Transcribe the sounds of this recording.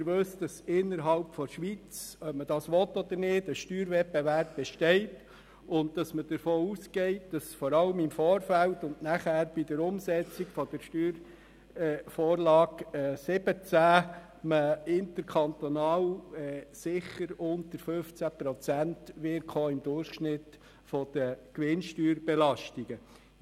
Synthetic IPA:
ɪɾʋøsd̥ɑsɪnːəɾɦɑlpfɔʃʋit͡sœpməd̥ɑːsʋɔt̪ɔd̪əɾnɪːdəʃtyːɾʋɛbevæɾp̚b̥ɛʃtɛɪt | ʊnt̚d̥ɑsməd̥əɾfoːuskɛɪt̚d̥ɑsfɔɾɑləmɪmfoːɾfæltʊndnæχæːɾb̥id̥əɾʊmsɛt͡sikfɔd̥əɾʃtyːɾ | fɔoːɾlɑːɡɛsɪb̥ət͡sæ | məɪnt̪əɾkʰɑnt̪ɔnɑːwɛsɪχəɾʊntəɾføft͡sæpɾɔt͡sæntʋɪɾkχoɪmd̥̪ʊrχʃnɪt | fɔd̪̥əkʋɪnʃtyːɾb̥elɑʃtiɡ̥ə

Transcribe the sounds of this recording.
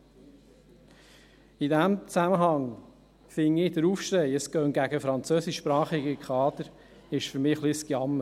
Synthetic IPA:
ɪdæmt͡sæməɦɑŋ | fɪŋːɪdəɾuːfʃɾɛɪəskœːŋɡ̥æɡəfɾɑnt͡søːsɪʃːpɾɑːχiɡəkʰχɑːd̪əɾ | ɪʃfʏɾmɪːχliskjɑmə

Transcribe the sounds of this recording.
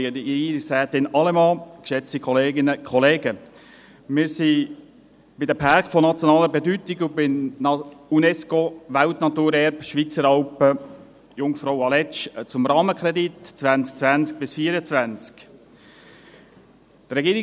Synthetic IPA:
disæːt̪ɪnɑlɛmɑːkʃɛt͡st̪ikχɔleːɡɪnəkʰχɔleːɡə | mɪːɾsi | b̥ɪd̪əpʰɑɾkfɔnɑt͡sjɔnɑːləbɛdyt̪iɡʊbɪn | unɛskoʋælt̪nɑt̪uːɾɛɾbʃʋit͡səɾɑlpə | jʊŋfɾɔwɑlɛt͡ʃt͡sʊmrɑːməkʰɾɛd̪itt͡svænt͡sk̚t͡svænt͡sk̚b̥ɪsfiəɾət͡svænt͡sk | t̪ɾɛɡiːɾɪ

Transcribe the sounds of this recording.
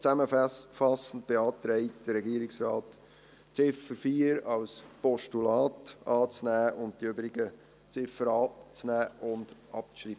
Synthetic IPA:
t͡sæməfɑsən̩t̚b̥eɑːt̪ɾɛɪtd̥əɾɛɡiəɾɪksɾɑːt | t͡sɪfəɾfiːəɾɑlspɔʃtulɑːtɑːt͡snæːʊnt̚d̥iøbɾɪɡ̥ə | t͡sɪfəɾɑːt͡snæːʔʊnd̥ʔɑp̚t͡sʃɾiːbə

